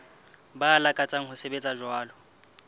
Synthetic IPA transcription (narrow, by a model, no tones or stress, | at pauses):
baːlakʼat͡sʼaŋ̩hʊsebet͡sʼaʒwaːlɔ